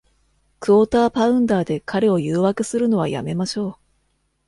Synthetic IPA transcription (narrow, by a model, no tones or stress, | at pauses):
kɯ̟ot̪aːpaɯ̟̃nd̪aːd̪e̞kʰaɾe̞o̞jɯːβakɯ̟sɨɾɯ̟no̞βa̰ja̰me̞maɕo̞ː